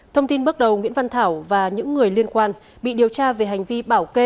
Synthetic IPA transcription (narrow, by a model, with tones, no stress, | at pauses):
t̪ʰə˧wŋ͡mt̪i˧nɓɨ˦˥k̚ɗə˨˩wŋwḭ˧˥ənva˧nt̪ʰaː˧˩wvaː˨˩ɲɨ̰˧˥ŋːɨ˨˩əjli˧ənkwaː˧n | ɓḭ˧˨ɗi˨˩əwt͡ɕaː˧ve˨˩ɦa˨˩jŋ̟vi˧ɓaː˧˩wke˧